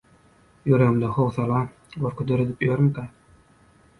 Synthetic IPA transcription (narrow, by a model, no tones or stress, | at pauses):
jøɾemd̪ɑxowθɑlˠɑ | ɡoɾkʰud̪øɾød̪ipjøɾmkæ